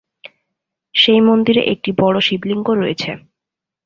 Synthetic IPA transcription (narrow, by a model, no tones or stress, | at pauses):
ʃejmond̪iɾḛʔek̚ʈibɔɽoʃibliŋɡoɾːojet͡ɕʰe